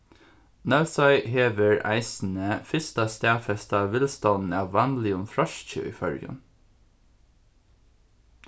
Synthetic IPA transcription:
nɑʉsɑɪʔheːʋəɹæ̰ɪsn̩əfɪst̪ɑst̪æːfɛst̪ɑːʋɪlst̪ɑnn̩æːʋænlɪʊnfɹɑʃc͡çø̰ːḭːfœɾjə̰n

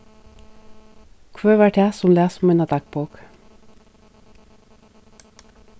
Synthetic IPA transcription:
kʰʋøːʋæʈʰæːsʊmlæːsʊmɛnɑd̪ɑk̚boːk

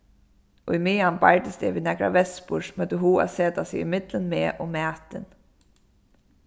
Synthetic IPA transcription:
ʔʊjmɪːanbaɹd̪ɪsd̪ɛ̰ːʋiːnɛkɾa̰ʋɛspʊʂmœt̪ɪɦuːa̰seːt̪asɪɪmɪt̪lənmeːʔʊmæːt̪ɪn

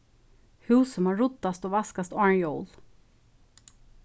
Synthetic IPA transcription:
hʉːsɔmhaɹɔt̪ːast̪oːvaskast̪ɑɹɳjɔːl

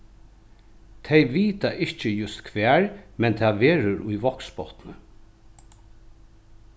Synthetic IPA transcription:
t̪ʰɛjʋiːt̪aʔɪht͡ʃɪjʊst̪kʰʋɛːɹmɛnt̪ʰaʋeːɾʊɹʊjʋɔkspɔht̪nə

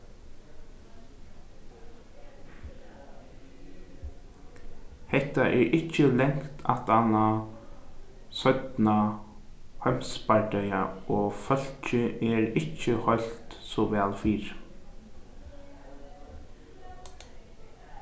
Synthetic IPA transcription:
hɛht̪aʔɛɹʔɪt͡ʃːəlɛŋkt̪ʰa̰t̪ana | sœt̪na | hœmspaɹɖœʏaʔɔːfœl̥t͡ʃəʔɛɹɪt͡ʃːəhɔlt̪sɔʋɛːlfiːɹ

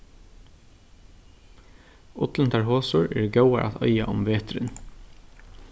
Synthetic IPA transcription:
ʊt̪ln̩t̪ʰæːɹhoːsuːɹḛːɹɡɑʉɑʔɑ̰ːt̪ʰœʏɑʔʊmʋeːt̪ɾən

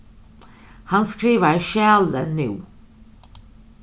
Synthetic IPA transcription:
hanskɾiːʋaɾʃæːlənʉ̰ː

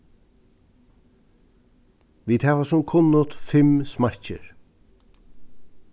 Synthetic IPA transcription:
ʋiːd̪hæʋasʊmkʰʊnːʊt̪fɪmsmaɹ̥t͡ʃɪ̰ɹ

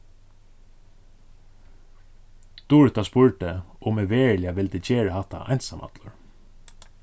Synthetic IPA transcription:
t̪uɹt̪aspʊɹʈəʊmɪʋeːɹlɪaʋɪlt̪ɪːt͡ʃeːɹəhaht̪ːa̰ʔɑ̰jnsamɑ̰t̪lʊɹ

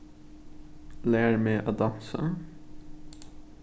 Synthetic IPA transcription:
læːɹmeːʔoːd̪ɑnsə̰

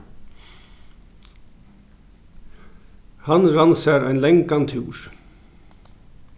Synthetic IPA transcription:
hɑnɾɑnsəɾæɪnlɛŋkɑnt̪ʰʉːɹ

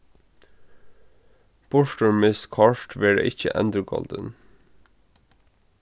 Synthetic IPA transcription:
b̥ɔʃʈəmmɪskʰɑːʃʈʋɪɖḛːʔɪçə̰ʔɛ̰nd̪ɾəɡɔ̰ːld̪ən

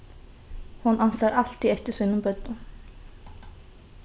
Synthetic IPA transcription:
hunansaɾal̥t̪iɛft̪ɪ̥sɪnʊmbœt̪nʊ

